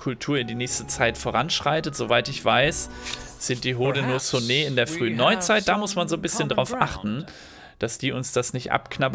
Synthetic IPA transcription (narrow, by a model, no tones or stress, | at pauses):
kʰʊltʰuːɐɪndiːnɛːçstət͡saɪtfoːʁanʃʁ̥aɪtətz̥ovaɪtɪçv̥aɪsz̥ɪnt̚d̥iːɦoːdənuːɐsoneːɪndeːɐfʁ̥yːnːɔʏt͡saɪt̚d̥aːmʊsmanzoːnbɪsçəndʁaʊfʔaχtn̩ | d̥asd̥iːʊnsd̥asnɪçtʔa̰pkʰnab